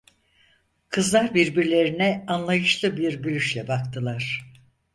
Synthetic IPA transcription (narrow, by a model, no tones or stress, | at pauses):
kʰɯzlˠaɾbiɾbiɾlʲe̞ɾinɛanlˠajɯʃlˠɯbiɾbylʲyʃlʲɛbakt̪ʰɯlˠaɾ̝̥